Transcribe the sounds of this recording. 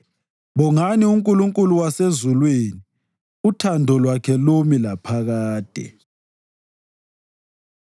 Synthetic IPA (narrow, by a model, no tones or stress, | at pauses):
βɔŋaniuŋkʼuluŋkʼuluwasezulweni | utʰandʱɔlwakʰɛlomilapʰaɣaːd̥ʱɛ̰